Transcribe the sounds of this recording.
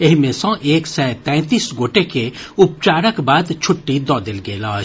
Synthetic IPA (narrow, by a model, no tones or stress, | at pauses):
eɦimẽsɔ̃ʔeːksɛːt̪ɛ̃ːt̪iːsɡoːʈekeʊp̚t͡ʃaːɾəkbaːd̪t͡ʃʰʊʈːid̪ɔːd̪ɪlɡeːlaː